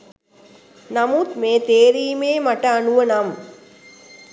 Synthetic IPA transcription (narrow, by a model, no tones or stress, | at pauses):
nɐmuːt̪meːt̪eːɾiːmeːmɐʈɐːnuʋɐnɐm